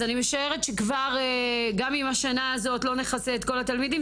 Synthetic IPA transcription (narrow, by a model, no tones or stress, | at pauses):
animeʃae̞ʁetʃekvaʁeɡamimaʃanaːzo̞tlo̞ne̞χaseːtko̞latalmidim